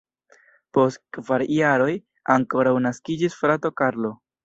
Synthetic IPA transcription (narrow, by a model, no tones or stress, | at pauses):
po̞stkvaɾjaɾo̞j | aŋko̞ɾawnaskid͡ʒisfɾato̞kaɾlo̞